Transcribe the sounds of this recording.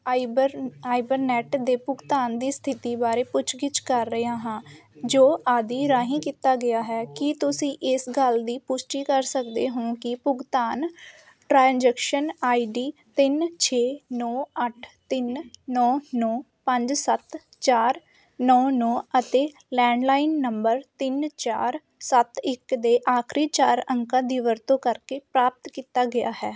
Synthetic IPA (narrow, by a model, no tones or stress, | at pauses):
aːibəɾnɛːʈd̪eːpʊɡt̪aːnd̪iːst̪ʰɪt̪iːbaːɾeːpʊt͡ʃʰɡɪt͡ʃkəɾːəaːɦãːd͡ʒoːʔaːd̪iːɾaːɦĩːkit̪aːɡɪjaːɦɛːkɪt̪ʊsĩːʔɪsɡəld̪iːpʊsʈiːkəɾsəkd̪eːɦõːkɪpʊɡt̪aːn | ʈɾaːnd͡ʒɛːkʃənaːiːɖiːt̪ɪnt͡ʃʰeːnɔːəʈʰt̪ɪnnɔːnɔː | pəɲd͡ʒsət̪ | t͡ʃaːɾ | nɔːnɔːət̪eː | lɛːɳɖlaːɪnːəmbəɾt̪ɪnt͡ʃaːɾ | sət̪ɪkd̪eːʔaːkʰɾiːt͡ʃaːɾəŋkãːd̪iːʋəɾt̪õːkəɾkeːpɾaːp̚t̪kiːt̪aːɡɪja̰ːɦɛː